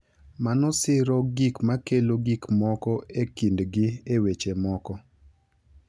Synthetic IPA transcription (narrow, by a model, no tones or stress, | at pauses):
manɔsɪɾɔɡikmakeloɡikmɔkɔekindɡɪewet͡ʃemɔkɔ